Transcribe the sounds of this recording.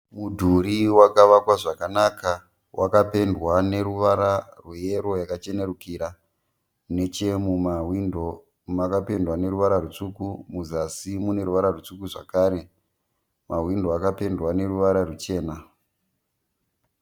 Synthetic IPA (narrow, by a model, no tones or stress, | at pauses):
mudʱuɾiwakaʋakwaʐakanaka | wʔakape̞ndwane̞ɾuʋaɾarwuje̞ɾojakat͡ʃe̞ne̞rukiːɾa | ne̞t͡ʃemumain | makapendwane̞ɾuʋaɾarut͡ʂukumuzasimune̞ɾuʋaɾarut͡ʂukuʐa̰kaːɾe̞ | maɦwindo̞akape̞ndwane̞ruʋaɾarut͡ʃe̞ːna